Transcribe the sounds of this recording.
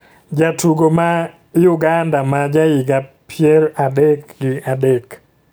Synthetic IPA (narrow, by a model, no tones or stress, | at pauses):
d͡ʒatuɡoma | jʊɡandamad͡ʒajiɡapʰjɛɾadekɡɪadek